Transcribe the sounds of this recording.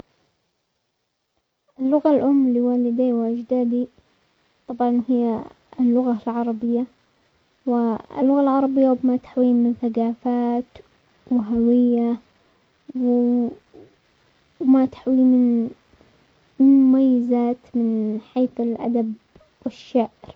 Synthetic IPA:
ʔɪlːʊɣalʔʊmːliwaːlɪd̪awʔɪd͡ʒd̪aːd̪i | t̪ˤɑbʕɑnhɪjːa | lːʊɣalʕɑɾˤɑbɪjːa | wɪɪ̰lːʊɣalʕɑɾˤɑbɪjːawbmat̪ḁħwiːnmɪnθaɡaːfaːt̪ | wɪɦawɪjːa | w | mat̪ḁħwiːmɪn | mʊmajːɪzaːt̪mɪnħeːθɪlʔa̰d̪ab | wɪʃːaːʔɪɾ

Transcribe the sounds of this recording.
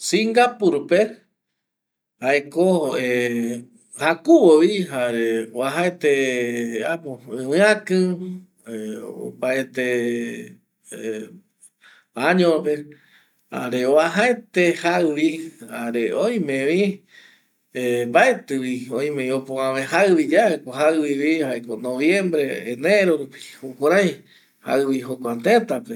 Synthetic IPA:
sĩŋɡapuɾpe | haekoe | hakuwowiɦaɾeoaɦaet̪e | apoɨ̃wɨ̃ãkɨ̃ | o̰paet̪e | aɲõpe | a̰ɾeoaɦaet̪ehaɨβiaɾeoj̃mẽβi | embaet̪ɨwioj̃mẽĩopõãβẽhaɨβid͡ʒaekoɦaɨwiβihaʔekonõβjẽ̞mbɾeḛneɾoɾupi̥hukuɾ̃ãj̃ | ha̰ɨβiɦokʷant̪et̪ape

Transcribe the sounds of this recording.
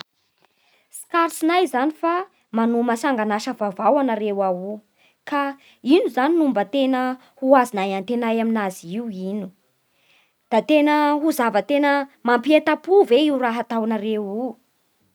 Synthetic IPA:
skaɾsinajzanifa | manumasaŋɡanaʃəvavawanaɾewawu | ka | inuzaninumbət̪enə | huazinajant̪enajaminaziiwinu̥ | d̪̥at̪enəɦuzavət̪enəmampiet̪apuveiwraɦat̪awanaɾewu

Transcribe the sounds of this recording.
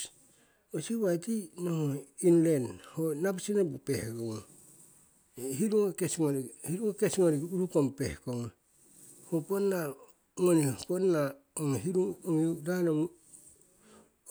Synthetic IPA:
osiβajtinohoinlenhonabasinabupehɡoŋo | ɦiɾuŋekesŋonihiɾuŋekesŋoɾiɡuɾukompḛhkoŋa | hoponːa | ŋoniponːa | oŋɦiɾuŋoŋidanom

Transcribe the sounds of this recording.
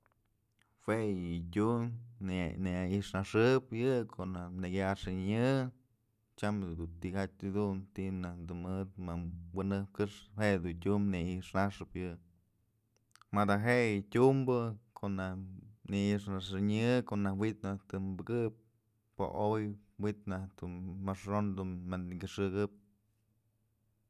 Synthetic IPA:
hwejɨtʲun | neaiʔʂnaʂɨpjɨkʰoʔnaneɡʲaʂɨɲɨ | t͡ʃamd̪ut̪ihat͡ʃʲɨd̪unt̪iʔnad̪umɨt̪̚mawɨnɨp̚kɨʂheʔd̪utʲumneiʔʂnaʂɨpjɨ | mad̪aɦeʔjɨtʲumbɨkʰoʔnahniiʂnaʂɨɲɨkoʔnahwit̪naht̪ɨmbɨɡɨp̚ | po̰ʔojwit̪naht̪unmaʂɾond̪unmankʲɨʂɨɡɨp̚

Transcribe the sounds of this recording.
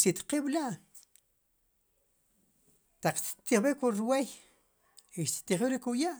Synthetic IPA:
t̪it̪qiɓlaʔ | t̪aq͡χt̪t̪iχbikuɾwej | iʃt̪t̪iχbiɾikujaʔ

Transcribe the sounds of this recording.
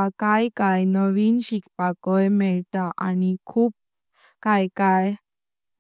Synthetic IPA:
akajkajnəʋiːnɕikpakɔjmɛɭt̪aʔa̰nikʰuːp̚ | kajkaj

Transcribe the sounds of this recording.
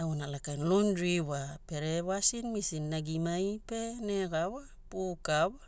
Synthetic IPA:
awnalakajnlondɾiwape̞ɾeβasinmisinːaɡimajpe̞ne̞ɡawa | pukawa

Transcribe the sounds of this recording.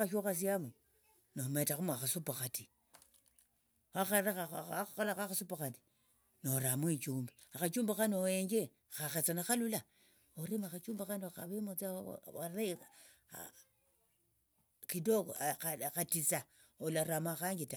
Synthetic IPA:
aʃoxas̬iamu | nometaxumuaxasupaxati | axaɾaaalakaxasupaxati̥ | noɾamwit͡ʃuːmbiaxat͡ʃuːmbaxanoeɲd͡ʒe | xaxet͡sanaxalula | oɾemaxat͡ʃuːmbaxanxa̰βemot͡sa̰a̰ɾḛ | kidoxatisa | olaɾamaxaŋɡita

